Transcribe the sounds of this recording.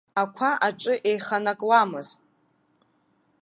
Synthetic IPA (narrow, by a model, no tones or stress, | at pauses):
akʷʰaʔaʈ͡ʂʼɨʔe̞jχanakʼwamɨz̥tʼ